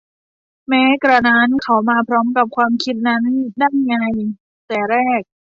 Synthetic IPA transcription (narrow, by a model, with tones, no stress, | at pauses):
mɛː˦˥kɾa˧naː˦˥nkʰa˩˥wmaː˧pʰɾɔː˦˥mka˨˩p̚kʰwaː˧mkʰi˦˥t̪̚na˦˥ndaː˥˩nŋa˧j | t̪ɛː˨˩ɾɛː˥˩k̚